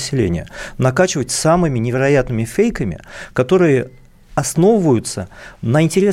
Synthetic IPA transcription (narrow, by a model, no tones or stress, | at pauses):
sʲːɪlʲḛnʲɪjə̰nɐkat͡ɕɪvətʲsamɨmʲɪnʲɪvʲɪɾɐjat̪nɨmʲɪfʲejkəmʲɪ̰kɐt̪o̞ɾɨjə | ɐsno̞vəvəjʊt̪sənəɪnʲtʲɪɾʲe